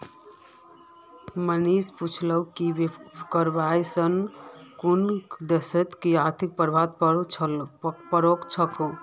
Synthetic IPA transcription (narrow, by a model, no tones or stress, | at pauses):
mənisput͡ʃʰləwkibekəɾbajsənkund̪esət̪kiaɾt̪ʰik̚pəɾbʱat̪̚pʰ | pəɾokt͡ʃʰəkõ